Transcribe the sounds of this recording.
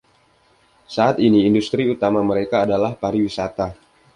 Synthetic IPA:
saat̪iniːndust̪ɾiut̪amaməɾekaːdalahpaɾiwisat̪a

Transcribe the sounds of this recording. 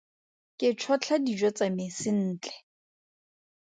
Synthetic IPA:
kʼɪt͡ʃʰɔt͡ɬʰadid͡ʒɔt͡sʼamɪsɪn̩ːt͡ɬʼɛ̥

